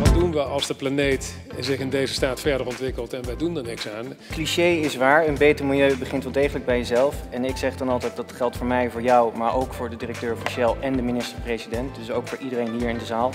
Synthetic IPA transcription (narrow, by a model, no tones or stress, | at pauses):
ʋɑdunʋəɑlˠzdəplanejt | zɪχɪndejzəstaːtfɛɹdəɹɔntʋɪkəlˠtɛnʋɛjdundəɹnɪksaːn | kliʃejɪsʋaːɹənbejtəɹmɪlˠjøɥbəχɪntʋɛlˠdejχələɡ̚bɛjəzɛlˠfɛnɪksɛχdɑnɑlˠtɛjt̚dɑtχɛlˠtfʊːɹmɛjvʊːɹjɔwmaːɹʔowkfʊːɹdədirək̚tøːɹfiʃɛlˠɛndəminɪstəɹprejzidɛnt̚dɵsowkfʊːɹʔidərejnɦiːɹɪndəzaːlˠ